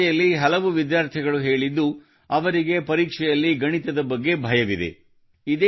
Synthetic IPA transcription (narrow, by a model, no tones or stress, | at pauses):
jɐlːiɦɐlɐʋuʋid̪jaːɾt̪ʰiɡɐɭuɦe̞ːɭid̪ːu | ɐʋɐɾiɡe̞pɐɾiːkʂɛjɐlːiɡɐɳit̪ɐd̪ɐbɐɡːe̞bʱɐjɐʋid̪ḛ | id̪e